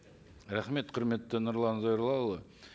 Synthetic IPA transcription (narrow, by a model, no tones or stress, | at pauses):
ɾæχme̞t̪qʰʊɾme̞t̪ːɪnʊɾlˠɑnzojɾlˠɑlˠə